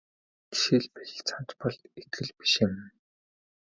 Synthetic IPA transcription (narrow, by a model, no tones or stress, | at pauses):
ɡi̥ʃiɮpeɮ̆ɮt͡sʰan̥t͡ɕpɔɮt̪et̪ʰxɘ̆ɮpi̥ʃɪ̆m